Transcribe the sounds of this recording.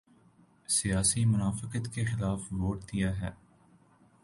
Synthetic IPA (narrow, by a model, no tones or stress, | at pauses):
sijaːsimʊnaːfɪqət̪kexɪlaːfʋoːʈd̪ijaɦɛː